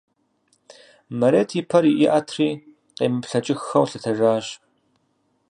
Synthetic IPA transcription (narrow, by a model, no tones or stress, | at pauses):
mɐɾeːtʰipʰɐɾiʔɪʔɐtʰriː | qeːmɨpɬɐt͡ʃʼɪxxɐwɬɨtʰɐʒaːɕ